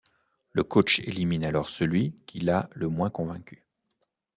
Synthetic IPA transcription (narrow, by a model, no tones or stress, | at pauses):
ləkot͡ʃeliminalɔʁsəlɥikʲʰilaləmwɛ̃kɔ̃vɛ̃kʲy̥